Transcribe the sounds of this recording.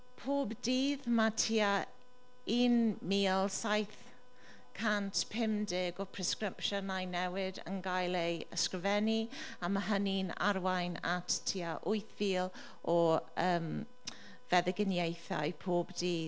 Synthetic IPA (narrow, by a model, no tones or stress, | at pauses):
pʰoːbdiːðmatʰiːa | iːnmiːlˠsajθ | kʰantpʰɪmdɪɡɔpʰr̥ɪskrɪpʃənajnɛwɪdə̰nɡajlˠejə̰skrɪvɛniamaɦənina̰ɾwajna̰ttʰiaʔʊɨθviːlˠ | ɔəːm | vɛðɪɡənjejθa̰jpʰoːbdiːð